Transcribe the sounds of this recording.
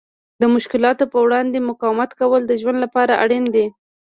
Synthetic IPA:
d̪əmʊʃkɪlɑt̪opəwɽɑnd̪emʊkɑwɪmat̪kawəld̪əʒwand̪lapɑɾaʔa̰ɽend̪e

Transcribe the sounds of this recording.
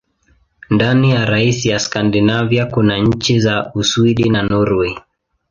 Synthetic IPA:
ndanijaɾaisijaskandinavjakunaɲ̩t͡ʃizauswiɗinanɔɾwɛ

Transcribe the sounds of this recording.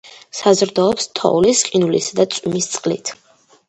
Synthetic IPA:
sazɾd̪ɔːpst̪ʰɔ̰ulisqʼinulḭsad̪at̪sʼwimist̪sʼqʼlit̪ʰ

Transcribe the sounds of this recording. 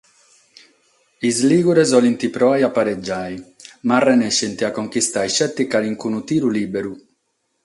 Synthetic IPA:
izliːɡuɾɛzɔlint̪ipɾɔajapːaɾɛd͡ʒːaːjmarɛnɛʃːɛnt̪iakːoŋkist̪ajʃɛt̪ːikaɾiŋkunut̪iːɾuliːbeɾu

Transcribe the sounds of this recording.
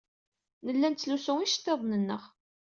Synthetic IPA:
nəlːænt͡sːlusʊŋiʃt̪ːeðˤnənːəʁ

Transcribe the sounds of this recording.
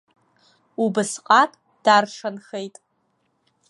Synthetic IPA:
ubɨsqʼatʼ | d̥arʂʰanχejtʼ

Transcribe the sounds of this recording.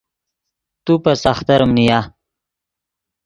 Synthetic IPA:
t̪upasaxt̪aɾəmnija

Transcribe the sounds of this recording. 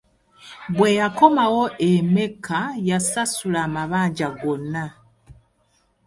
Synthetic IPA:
βwejako̞mawo̞ʔeme̞kajasasulaːmaβaːɲɟaɡo̞na

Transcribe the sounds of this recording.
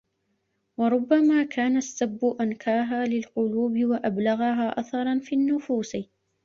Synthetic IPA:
wɑɾˤʊbːamaːkʰaːnasːabːʊʔankʰaːɦaːlɪlqʊluːbɪwaʔablaɣaɦaːʔaθɑɾˤɑnfiːnːʊfuːs

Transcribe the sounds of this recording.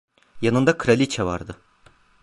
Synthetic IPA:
janɯnd̪akʰɯɾalʲit͡ʃʰɛva̰ɾd̪ɯ

